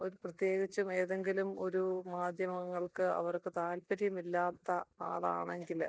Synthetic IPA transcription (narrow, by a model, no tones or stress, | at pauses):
o̞ɾuprɐt̪je̞ːɡit͡ɕːume̞ːðeŋɡilumo̞ɾumaːd̪ʱjɐmɐŋːɐɭkɨɐ̰ʋɐrkɨt̪aːlpɐɾjɐmilːaːt̪ːɐka̰ːɭa̰ːɳe̞ŋɡil